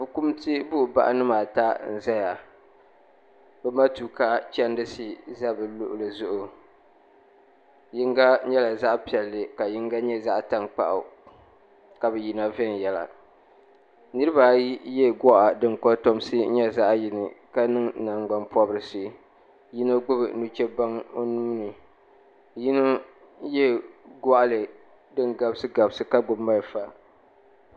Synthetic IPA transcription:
bɨ˨ku˦mti˦bʊ˦ʔʊ˨ba̰˦ʔa̰˦nɨ˦maː˨ta˦n̩˨za˦ja˨ | bɛ˦ma˦tu˨ka˦t͡ʃɛ˦ndɨ˦si˦za˦bɨ˨lʊ˦ʔʊ˦lɨ˨zʊ˦ʔʊ˨ | ji˦ŋɡa˦ɲɛ˦la˨za˦ʔpi˨ɛ˨lːɨ˨ka˨ji˦ŋɡa˦ɲɛ˦za˦ʔta˦ŋk͡pa̰˦˨ʔʊ̰˨ | ka˨bɛ˨ji˨na˦vɛ˦n˨jɛ˨la̰˨ | nɨ˦ɾɨ˦ba˨˦jɛ˦ɡɔ˦ʔa˨dɨ˦ŋkɔ˦to˦m˦sɨ˦ɲɛ˦za˦ʔji˨nɨ˨ka˦nɨ˦ŋna˨ŋɡ͡ba˨npɔ˦bɨ˨ɾɨ˨sɨ˦ | ji˦no˦ɡ͡bʊ˦bɨ̰˨nu˦t͡ʃɛ˦ba˦ŋo˦nuː˦nɨ˨ | ji˦no˦ | jɛ˦ɡɔ˦ʔa˦lɨ˨ | dɨ˦ŋɡa˨bsɨ˦ɡa˨bsɨ˦ka˦ɡ͡bʊː˨˦a˦lfa˦

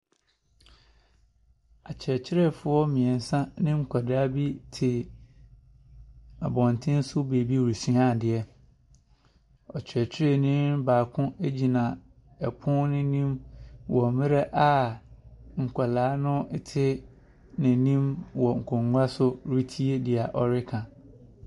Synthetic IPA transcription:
a˨t͡ɕʰɛ˨t͡ɕʰɪ˦ɾɛ˦fʊ˦ɔ˦mɪ̃˨ɛ˨n̩˨sã˦nɪ̃˦ŋ̩˨kʰʷa˨da˦bi˦tʰɪ˨ | a˨bɔ̃˨n˨tʰɪ̃˦n˦sʊ˦be˨bi˦˨ɾi˨sĩ˦a˦˨dɪ˨ɛ˦ | ɔ˨t͡ɕʰɪ˨ɛ˨t͡ɕʰɪ˦ɾɛ˦nɪ̃˦baː˨kʰʊ̃˦e˦d͡ʑi˨nã˨ | ɛ˨pʰʊ̃˦nɪ̃˦nĩ˦mwɔ˨mɪ̃˦ɾɛ˦ʔa˦ | ŋ̩˨kʷʰa˨laː˨˦nʊ̃˦ɪ˦tʰɪ˦ | nɪ̃˨nĩ˦mwɔ˨ŋ̩˨kʰʊ̃˨ŋ˦ɡʷa˦sʊ˦ɾi˦tʰi˦e˦dɪ˨a˨ʔɔ˨ɾɪ˦kʰã˨

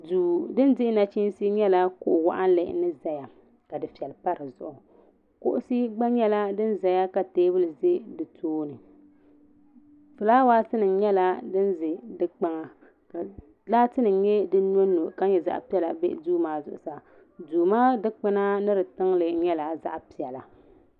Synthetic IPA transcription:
duː˨dɨ˦ndɪ˦na˨t͡ʃi˦n˦si˦ɲɛ˦la˦kʊ̰˦ʔwa̰˦ʔa˦n˦lɨ˨nɨ˦za˨ja˨ | ka˨dɨ˨fi˨ɛ˨lpa˦ɾɨ˨zʊ̰˨ʔʊ˨ | kʊ˦ʔʊ˦si˦ɡ͡ba˦ɲɛ˦la˦dɨ˦nza˨ja˦ka˨teː˦bɨ˦lɨ˨ze˦dɨ˨tʰoː˦nɨ˨ | fɨ˨laː˦waː˦tɨ˦nɨ˨ɲɛ˦la˦dɨ˦n˦zɪ˨dɨ˦k͡pa˦ŋa˨ | ka˨ | laː˦tɨ˦nɨ˨ɲɛ˦dɨ˦no˦nːo˨ka˦ɲɛ˨za̰˦ʔpi˦ɛ˦la˨bḛ˦duː˦maː˦zʊ̰˦˨ʔʊ̰˨sa˨ | duː˨maː˦dɨ˦k͡pɨ˦na˦nɨ˦ɾɨ˨tɨ˦ŋlɨ˨ɲɛ˦la˨za̰˦ʔpi˨ɛ˨la˨

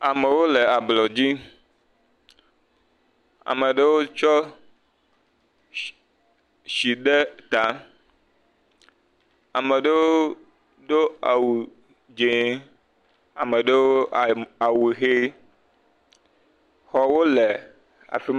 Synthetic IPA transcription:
a˨me˨wo˦lɛ˨a˨blɔ˨d͡ʑi˦ | a̰˨me˨ɖe˦wo˦t͡ʃɔ˦ | ʃi˨ɖe˦t̪a˨ | a̰˨mɛ˨ɖe˦wo˦ | ɖo˦a˨wu˨ | d͡ʒe˨ | a˨me˨ɖe˦wo˦a˨wu˨xe˦ | xɔ˨wo˦le˨ | a̰˨fi˦m

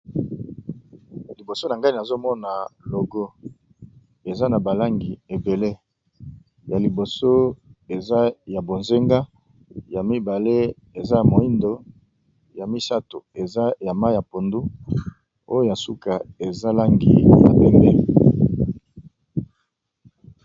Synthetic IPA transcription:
li˨bo˨so˦na˨ŋɡa˦ni˨na˨zo˦mɔ˦na˨lo˨ɡo˦ | e˨za˦na˨ba˨la˦ŋɡi˨e˨be˨le˦ | ja˨li˨bo˨so˦e˨za˦ja˨bo˨nze˦ŋɡa˦ | ja˨mi˦ba˨le˦ | e˨za˦ja˨mo˨i˦ndo˨ | ja˨mi˦sa˦to˨e˨za˦ja˨ma˦ja˨po˨ndu˦ | o˦jo˦ja˨su˦ka˨e˨za˦la˦ŋɡḭ˨ma̰˨bɛ˦mbɛ˦˨

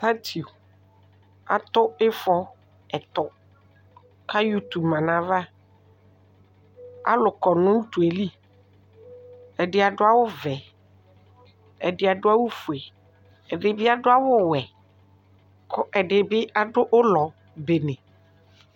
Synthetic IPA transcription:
ta˦tʰi˨u˨ | a̰˨t̪ʊ˦ɪ˦fɔ˦ | ɛ˨t̪ɔ˨ | kʰa˦ju˦t̪u˨bmã˨nã˨va˦ | a̰˦lʊ˨kɔ˨nʊ̃˦n̩˦t̪u˨e˨li˦ | ɛ˨dɪ˨˦a˨dʊ˦a˦wʊ˦vɛ˨ | ɛ˨dɪ˨a˨dʊ˦a˦wʊ˦fu˨ɛ˨ | ɛ˨dɪ˨bɪ˦a˨dʊ˦a˦wʊ˦wɛ˨ | kʰɔ˦ʔɛ˨dɪ˨bɪ˦a˨dʊ˦ʔʊ˦lɔ˨ | be˨nɛ̃˨

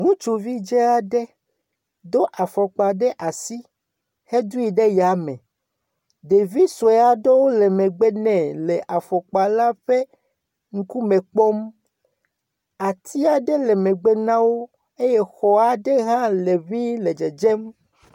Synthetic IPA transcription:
ŋũ˦t͡ʃu˨vi˦d͡ʒɛ˦a˨ɖɛ˦ | d̪o˦ʔa˨fɔ˨k͡pa˨ɖɛ˦ʔa˨si˦ | he˦d̪u˦i˨ɖe˦ja˨mɛ̃˨ | ɖe˨vi˦sɔ˨ɛ˨˦a˦ɖe˦wo˦lɛ˨mɛ̃˨ɡ͡bɛ˦nɛ̃˨lɛ˨ʔa˨fɔ˨k͡pa˨la˦ɸe˦ | ŋ̩˦ku˦mɛ̃˨k͡pɔ˦m | a˨t̪ʰi˦a˨ɖɛ˦lɛ˨mɛ̃˨ɡ͡bɛ˦nã˦wo˦ | e˦jɛ˦xɔ˨a˨ɖe˦ɦã˦le˨mĩ˦le˨d͡ʒe˨d͡ʒe˦m

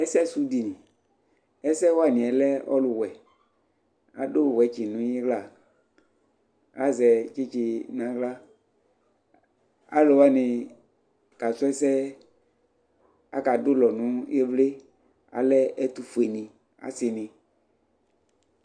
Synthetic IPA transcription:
ɛ˦sɛ˦su˨˦di˨nĩ˨ | ɛ˦sɛ˦wa˦˨nɪ̃˨ɛ˨lɛ˦ɔ̰˦lʊ˨wɛ˨ | a̰˨dʊ˦˨wɛ˨˦t͡ʃɪ˨nʊ̃˨˦ji˦ɡla˦˨ | a˦zɛ˨t͡ʃɪ˦t͡ʃɪ˧nã˨ɡla˦ | a̰˦lo˨wa˦nɪ̃˨ | ka˨sʊ˦ɛ˦sɛ˦ | a̰˨ka˨dʊ˦lɔ˨nʊ̃˨˦e˦vle˦ | a̰˨lɛ˦ʔɛ˦tu˨fu˨e˨nɪ̃˨ | a̰˨sɪ˨nɪ̃˨

